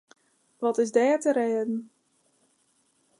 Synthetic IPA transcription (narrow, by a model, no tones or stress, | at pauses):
ʋɔtɪsdɛːtəɾeːdn̩